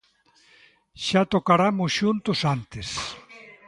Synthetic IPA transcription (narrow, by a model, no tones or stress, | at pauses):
ʃat̪okaɾamʊsʃunt̪ʊsant̪es